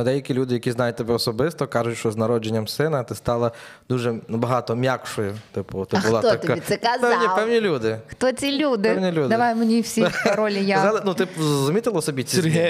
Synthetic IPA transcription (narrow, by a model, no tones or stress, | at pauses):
d̪ɛjɐkʲilʲud̪ɪjɐkʲiznɑjʊt̚ʲt̪ɪbɛɔsɔbɪst̪ɔkɑʒʊtʲʃt͡ʃɔznɐɾɔd͡ʒenʲːɐmsɪnɐt̪ɪst̪ɑlˠɐ | d̪̥uʒɛnbɐɦɑt̪ɔmʲjakʃɔjʊt̪ɪpʊt̪ɪbʊlˠɑt̪t̪ɐk̪aɛkazpɛwnʲipɛwnʲilʲud̪ɪxt̪ɔt͡sʲilʲud̪ɪɛwnʲilʲud̪d̪ɐʋajʊmenʲiwsʲiɾɔlʲijaalˠɪnut̪ɪpzɾɔzʊmʲit̪ɪlˠɐɔsɔbʲit͡sʲiɾɦɛ